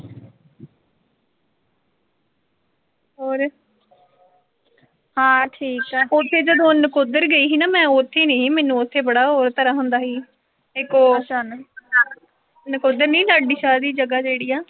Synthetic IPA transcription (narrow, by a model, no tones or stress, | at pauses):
ɦoːɾ | hãːʈʰiːkɛːʊt̪ʰːeːd͡ʒəd̪õːnəkod̪əɾɡəiːɦiːnaːmɛ̃ːʊt̪ʰːeːneːiːmɛːnːũːʊt̪ʰːeːbəɽaːɦoːɾt̪əɾaːɦʊnd̪aːɦiː | ɪkoːt͡ʃan | nəkod̪əɾnĩːləɖiːʃaːd̪iːd͡ʒəɡaːd͡ʒeːɽiːaː